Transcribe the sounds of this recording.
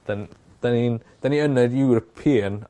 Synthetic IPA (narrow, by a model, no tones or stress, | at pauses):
d̥an | d̪̥anind̥aniənədjuɾɔpʰiːən